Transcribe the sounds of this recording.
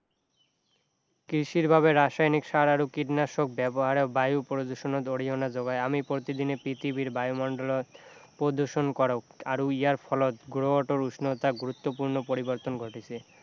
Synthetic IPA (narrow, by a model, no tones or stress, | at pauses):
kɾiʃiɾbʱaβeɾaʃajnikʃaɾaɾukiʈnaʃok̚bɛboɦaɾebajupɾod̪uʃonot̪oɽiɦonad͡ʑoɡaeamipɾot̪id̪inepit̪ibiɾbajumɔɳɖolot̪pɾod̪uʃonkɔɾaaɾuiaɾfʰɔlot̪ɡuɾoaʈoɾusnot̪aɡuɾut̪ːopuɾnopoɾiboɾt̪onɡʱoʈit͡ɕʰi